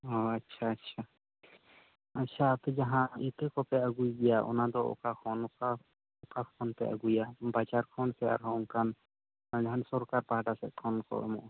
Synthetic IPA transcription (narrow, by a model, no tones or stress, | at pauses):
ɔatːt͡ʃʰaːtːʃʰa | at͡ʃʰat̪ɛd͡ʒaɦãit̪əkɔpɛaɡujd̪ɛjaʔɔ̰nad̪ɔɔ̰kakʰɔnka | ɔkakɔnt̪ɛ̰ʔa̰ɡujabad͡ʒaɾkʰɔnsɛa̰ɾɦɔ̃ɔŋkan | ad͡ʒaɦansɔɾkaɾpaɦaɖasɛʔ̪̚kʰɔnkɔ̰ɛ̰mɔ̰ʔ